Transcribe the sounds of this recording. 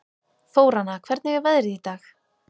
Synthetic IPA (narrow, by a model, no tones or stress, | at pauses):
foːwɾanakʰvɛɾt̪nɪvɪvɛðɾɪðit̪aːx